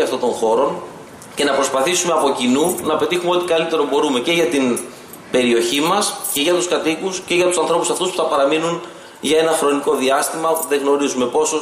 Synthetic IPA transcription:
ɐft̪o̞nt̪o̞ŋxo̞ɾo̞n | ce̞nɐpɾo̞spɐθisume̞ɐpo̞cinunɐpe̞t̪ixume̞o̞t̪ikɐlit̪e̞ɾo̞bo̞ɾume̞ce̞ʝɐt̪in | b̥e̞ɾio̞çimɐsce̞ʝɐt̪uskɐt̪ikusce̞ʝɐt̪usɐnθɾo̞pusɐft̪uspu̥θɐpɐɾɐminun | ʝɐe̞nɐxɾo̞niko̞ðiɐst̪imɐopuðeŋɣno̞ɾizume̞po̞so

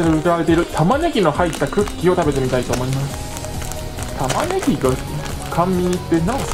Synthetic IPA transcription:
eɾeɯ̟kɯɾaɾe̞t̪e̞iɾɯ̟t̪ʰamane̞kʲino̞hait̪ːakɯ̟kʲːio̞t̪abe̞t̪e̞mʲit̪ait̪o̞ːmo̞imasɨ̥ | t̪ʰamane̞ɡʲiɡa | kʰãmːʲiɲit̪ːenã

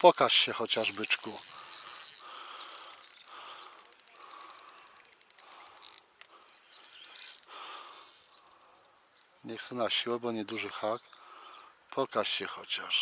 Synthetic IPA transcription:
pɔkaɕɕɛxɔt͡ɕaʐbɘt͡ʂku | ɲɛxsɛnaɕiwɛbɔɲɛd̪uʐɘxak | pʰɔkaɕɕɛxɔt͡ɕaʂ

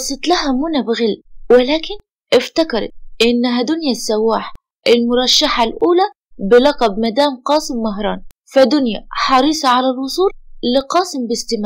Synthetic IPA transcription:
ɑsˤɨt̪laɦamʊnabɪɣɪlːwɪlaːkɪn | ʔɪft̪akɑɾˤɑ̰t̪ʔɪnːɦad̪ʊnjasːawːaːħ | ʔɪlmʊɾˤɑʃːaħalʔuːla | bɪlɑqɑbmad̪aːmqɑːsɪmːaɦɾˤɑ̰ːn | fad̪ʊnja̰ħɑɾˤiːsˤɑʕalalwʊsˤuːllɪqɑːsɪmbɪst̪ɪmaː

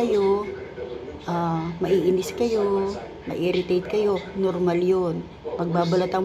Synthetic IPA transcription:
ɐjo | ʔamɐʔiːʔɪnɪskɐjo | mɐ̰ʔɪːɾɪt̪ejt̪̚kɐjo̞noɾmaljon | mɐɡ̚baːbɐlɐt̪ɐŋ

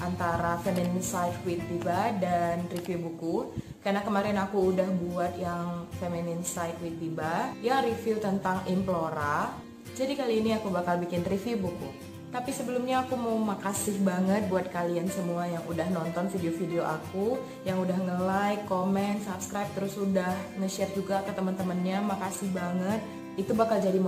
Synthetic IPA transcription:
ʔant̪aɾafeminɪnsajkkwit̪̚ːibadanrifibuku | kanakəmaɾɪnakuːdahbuat̪jaŋfeminɪnsajkwit̪̚ːibajaŋrifilt̪ənt̪aŋimploɾa | d͡ʒadikaliːniakubakalbikɪnrifibuku | t̪apisəbəlʊmɲaːkumawmakasɪhbaŋət̪̚buat̪̚kaliansəmuajaŋudahnɔnt̪ɔnfideofideoʔaku | jaŋudahŋəlajkːomɛnt̪sapskɾajp̚t̪əɾʊsudahŋəʃɛrd͡ʒuɡakət̪əmənt̪əmənɲamakasɪhbaŋət̪̚ | it̪ubakald͡ʒadi

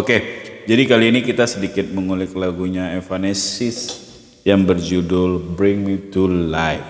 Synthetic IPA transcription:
oked͡ʒadikaliːnikit̪asədikɪt̪̚məŋulɪk̚laɡuɲaefanesɪs | jaŋbərd͡ʒudʊlbɾɪŋmit̪ulaɪf

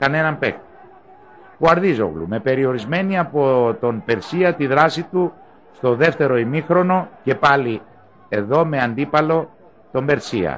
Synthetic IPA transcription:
kɐne̞nɐmpe̞kt̪i̥ | puɐɾðizo̰ɣlṵme̞pe̞ɾio̞ɾizme̞niɐpo̞t̪o̞npe̞ɾsiɐt̪iðɾɐsit̪u | st̪o̞ðe̞ft̪e̞ɾo̞imixɾo̞no̞ce̞pɐli | e̞ðo̞me̞ɐnd̪ipɐlo̞ | t̪o̞mbe̞ɾsiɐ̰

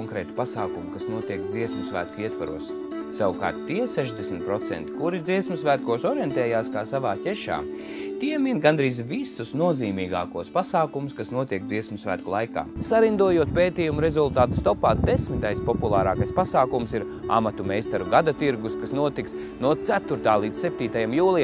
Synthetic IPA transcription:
ŋkɾɛːt̪u̥pasaːkumukasnuɔt̪iɛkd̪ziɛsmusʋæ̰ːt̪̚kuiɛt̪ʋaɾuɔs | sawuka̰ːɾt̪ːiɛsɛʒd̪esmʲit̪̚pɾɔt̪sɛ̰nt̪i̥kuɾid̪ziɛsmsʋæːt̪̚kuɔsɔɾjɛnt̪ɛːjaːskaːsaʋaːcʲɛʃa̰ː | t̪iɛminɡand̪ɾiːzvisusnuɔziːmiːɡa̰ːkuɔspasaːkumuskasnuɔt̪iɛk̚d̪ziɛsmsʋæ̰ːt̪̚kulˠajka̰ːsaɾind̪uɔjuɔt̪̚peːt̪iːjumuɾezulˠt̪aːt̪st̪ɔpaːd̪esmit̪ajspɔpulˠaːɾaːkajspasaːkumsiɾ | a̰mat̪umɛjst̪aɾuɡad̪at̪iɾɡuskasnuɔt̪iks | nuɔt̪sæt̪uɾt̪aːlˠiːd̪ssɛp̚ʲt̪iːt̪ajamjuːlˠi

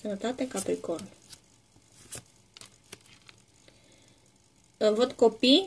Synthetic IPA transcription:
sənət̪at̪e̞kapɾikol | ɨnvot̪ko̞pi

